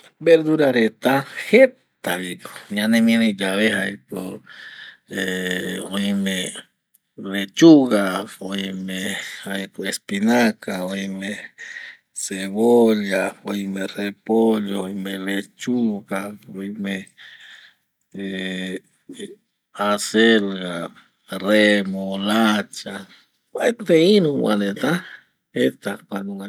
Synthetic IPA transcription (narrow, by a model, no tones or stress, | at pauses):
beɾd̪uɾaɾet̪ahet̪aβikoĩãnẽmĩned͡ʒaβehajko | eõĩmẽ | let͡ʃuɣaoĩmehajkoespinakaojme | seβoljaoimerepoʎoimelet͡ʃuɣaoime | e | aselɣa | remolat͡ʃa | wajt̪einũwwa̰net̪a | et̪akʷanuŋa